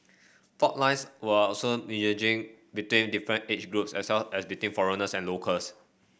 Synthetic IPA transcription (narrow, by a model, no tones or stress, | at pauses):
fɔʔ̚lãɪ̃nswəɔlsominəd͡ʒɪ̃ŋ | bitwĩndifɹə̃ntet͡ʃɡɹupsɛswɛlɛsbitwĩnfɔɹənəsɛ̃nlokʰəls